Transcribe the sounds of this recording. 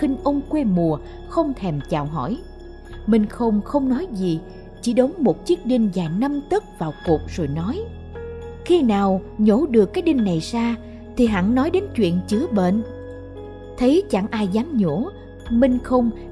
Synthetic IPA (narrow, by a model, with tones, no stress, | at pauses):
xï˧ŋ̟ʔo˧ŋ͡mkwe˧mu˨˩ə | xə˧wŋ͡mt̪ʰɛ˨˩mt͡ɕa̰ː˧˨wɦɔ̰˧˩˨j | mï˨˩ŋ̟xə˧wŋ͡mxə˧wŋ͡mnɔ˨˦jzi˨˩ | t͡ɕḭ˧˩ɗo˨˦nmo˨˩t̚t͡ɕi˦˥ək̚ɗï˧ŋ̟zaː˨˩jna˧mt̪ɨ˦˥k̚vaː˨˩wku˨˩k̚z̥o˨˩jnɔ˨˦j | xi˧naː˨˩wɲo˧˥ɗɨ˨˩əkːaː˨˦jɗï˧ŋ̟na˨˩jsaː˧ | t̪ʰi˨˩ɦa̰˧˥nːɔ˨˦jɗe˨˦nt͡ɕwḭ˧˨ənt͡ɕɨ˨˧˦əɓə̰˧˨n | t̪ʰə˨˦jt͡ɕa˧˩ŋʔaː˧jzaː˨˦mɲo˧˩ | mï˧ŋ̟xə˧wŋ͡m